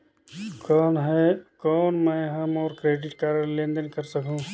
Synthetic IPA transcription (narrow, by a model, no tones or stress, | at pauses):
kɔːnɦɛkɔːnmɛ̃ɦɐmɔːɾkɾeːɖɪʈkaːɾənlẽnd̪ənkəɾsəkũː